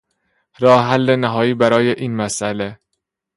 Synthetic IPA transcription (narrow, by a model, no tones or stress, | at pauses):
ɾɒːheɦælːenæɦɒːjiːbæɾɒːjeʔiːnmæsʔæle̞